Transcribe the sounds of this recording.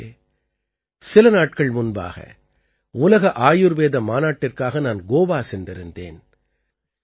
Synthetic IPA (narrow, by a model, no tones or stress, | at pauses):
sɪlɐnaːʈ̚kɐɭmʊnba̰ːɣɐ̰ | ʊlɐɣɐʔaːjʊɾʋeːðɐmaːnaːʈːɪrkaːɣɐnaːnɡoːʋaːsɛndɪɾɯnd̪ḛːn